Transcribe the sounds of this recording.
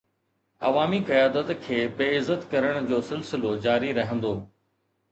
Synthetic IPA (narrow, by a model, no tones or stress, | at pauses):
ɐ̰ʋaːmiqɐjaːd̪ət̪kʰeːbeːɪzət̪kɐɾəɽ̃ʊd͡ʑoːsɪlsɪlod͡ʑaːɾiɾɐɦə̃nd̪oː